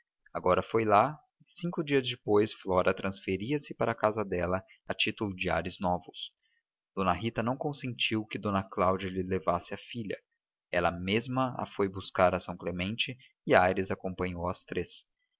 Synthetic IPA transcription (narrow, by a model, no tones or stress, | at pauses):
aɡɔɾɐfojla | sĩŋkʊd͡ʒiɐzd͡ʒɪpojsflɔɾɐt̪ɾʔɐ̃sfeɾiɐsɪpaɾɐkazɐd̪ɛlɐ | ɐt͡ʃit̪ʊlʊd͡ʒia̰ɾɪznɔvʊs | d̪̥õnɐɦit̪ɐnɐ̃w̃kõsẽnt͡ʃiwkɪd̪õnɐklawd͡ʒɐlɪlevasɪɐfiʎɐ̰ | ɛlɐmezmɐa̰fojbuskaɾɐsɐ̃w̃klemẽnt͡ʃɪ | ɪajɾɪzakõpɐ̃ɲowɐst̪ɾes